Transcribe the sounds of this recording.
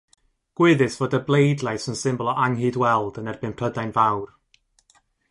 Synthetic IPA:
ɡ̥wɪðɨsv̥oːdəblˠejdlˠajsənsɪmbɔlˠɔʔaŋɦɨːdwɛlˠdənɛrbɪnpʰrədajnvawr

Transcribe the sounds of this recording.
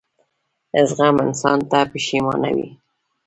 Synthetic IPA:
ɪzɣamɪnsɑnt̪apiʃimɑna̰wḭ

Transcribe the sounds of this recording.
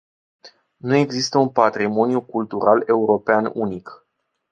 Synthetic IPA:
nue̞ɡzist̪əunpat̪ɾimo̞njukult̪uɾale̞uɾo̞peanṵnik

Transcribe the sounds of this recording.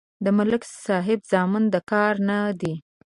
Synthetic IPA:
d̪əmʊlɪksɑɦɪbzɑmɪnd̪əkɑɾnad̪i

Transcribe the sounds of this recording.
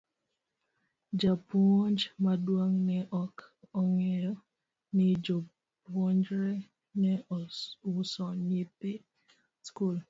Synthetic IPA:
d͡ʒapɔnd͡ʒmadwaŋnɛʔɔkɔŋɛɾɔ | nɪd͡ʒo | ɔnd͡ʒɾɛ | nɛ | ʊsɔɲipɪ | skul

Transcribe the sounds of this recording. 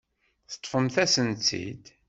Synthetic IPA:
θə̥t̪ˤːfəmθæsənt͡sḭd̪

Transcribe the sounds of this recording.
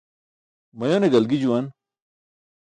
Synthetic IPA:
mɐjoneɡɐlɡid͡ʑuwan

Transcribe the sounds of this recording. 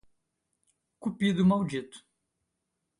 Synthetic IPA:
kupid̪ʊmawd͡ʒit̪ʊ̥

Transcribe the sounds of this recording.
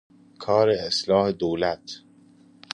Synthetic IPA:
kʰɒːɾeːslɒːhed̪oːlæt̪ʰ

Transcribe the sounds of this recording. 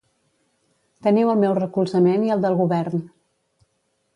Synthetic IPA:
t̪əniwəlˠmɛwrəkulˠzəmeniəlˠd̪əlˠɣuβɛrn

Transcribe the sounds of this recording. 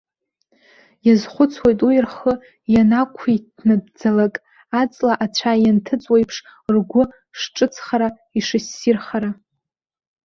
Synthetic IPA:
jazχʷʊt͡sʰwejtʼujɪrχə | janakʷʰitʰnɨdd͡zalakʼ | at͡sʼlaʔat͡ɕʷʰajantʰɨt͡sʼwejpʰʂrɡʷʊ | ʂʈ͡ʂʼɨt͡sʰχaɾa | iʂɨsːirχaɾa

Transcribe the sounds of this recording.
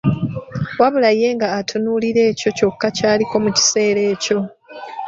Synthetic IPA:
waβulaje̞ːŋɡaːtʰunuːliɾe̞ːco̞co̞kːacaːliko̞muci̥se̞ːɾe̞ːco̞

